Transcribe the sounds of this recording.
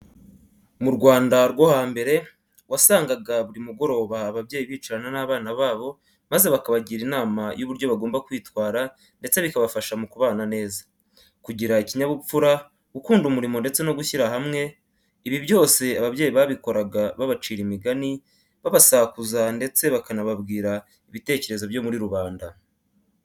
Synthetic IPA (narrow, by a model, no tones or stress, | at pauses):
muɾɡwaːndaɾɡwohaːmbe̞ɾe̞ | wasaːŋɡaɡaβuɾimuɡo̞ɾo̞βaːβabje̞ːjiβiːt͡ʃaɾananaβaːnaβaːβo̞ | maze̞βakaβaɟiɾinaːmajuβuɾɟo̞βaɡoːmbakwiːtwaːɾa | nde̞t͡se̞βikaβafaʃamukuβaːnane̞ːzḁ | kuɟiɾaiciɲaβup͡fuɾa | ukuːndumuɾimo̞nde̞t͡se̞no̞ɡuçiɾaɦamŋe̞ | iβiβjo̞ːse̞aβaβɟe̞ːjiβaβiko̞ɾaɡaβaβat͡ʃiːɾimiɡani | βaβasakuzande̞t͡se̞βakanaβabɡiːɾa | iβite̞ːce̞ɾe̞zo̞βjo̞ːmuɾiɾuβaːnda